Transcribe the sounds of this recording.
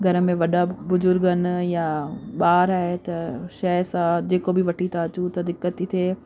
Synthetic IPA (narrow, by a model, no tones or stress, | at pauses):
ɡʱɐɾə̆mẽʋɐɗabʊzʊɾɡənɪ̆jaɓaːɾaːɪt̪ɐʃɐsãd͡ʑeːkobʱɪʋɐʈʰit̪ʰaɐt͡ɕũt̪ɐd̪ɪkːət̪it̪ʰeː